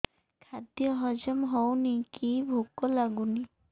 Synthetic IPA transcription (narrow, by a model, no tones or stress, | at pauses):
kʰad̪jɔɦɔd͡ʒɔmɦɔwnikibʱukɔlaɡuni